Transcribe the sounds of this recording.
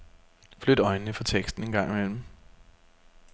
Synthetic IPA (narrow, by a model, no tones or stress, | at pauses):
flød̥ɒ̽ɪnənəfɒ̽t͡sʰeɡ̥sd̥n̩e̝nɡ̥ɑ̈ŋ̰imel̰m̩